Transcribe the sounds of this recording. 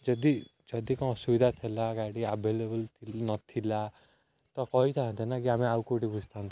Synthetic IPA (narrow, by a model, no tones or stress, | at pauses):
d͡ʒʌd̪id͡ʒʌd̪ikɔ̃subid̪ʱat̪ʰelaɡaɽiabʱelebəlt̪ʰinɔt̪ʰila | t̪ɔkɔɦit̪ʰaɦɔ̃nt̪ʰenakiamẽaukoʈibud͡ʒʱt̪ʰant̪